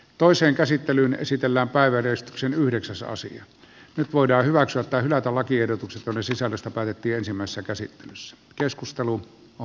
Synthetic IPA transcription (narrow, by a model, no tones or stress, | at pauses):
t̪oˑeseːŋkæsit̪ːelyːnḛsit̪elːæːmpæˑeʋæreˑest̪yksenyhdeksæsɑ̰sḭɑ | nyt̪ʋoˑidɑːhyʋæksyæt̪ːæhylæt̪ælɑkiehdot̪ukset̪jonːessisælːøst̪æpæːt̪et̪ːiːensimːˑæˑesesːækæsit̪ːelysːæ̥ | keskust̪elu | o